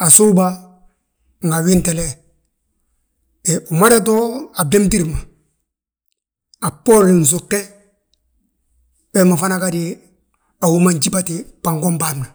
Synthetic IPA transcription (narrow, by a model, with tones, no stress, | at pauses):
a˨su˦ba˦ | ŋɡa˨wi˦ntɛ˨lɛ˦ | e˨u˨ma˦da˦to˦a˨be˦mti˦ɾma˨ | a˨po˦li˨n̩˨s̬u˨kːɛ˦ | wɛma˨fa˦na˦ka˦di˦ | a˨wu˦ma˦ɲd͡ʒi˦ba˦ti˨pa˨ŋɡo˦mba˦˨ɾna˨